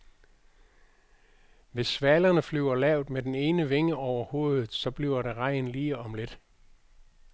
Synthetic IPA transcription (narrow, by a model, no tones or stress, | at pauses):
ʋe̝sːʋælɐnəflyʊ̰ɐlɛʊ̰d̥med̥ene̝ːnəʋe̝ŋəʔɒʊ̰ɐho̝̰ːðˠð̩ˠsɒ̽b̥liʊɐɾeʁɑ̈ɪ̰nliːɒ̽mle̝d̥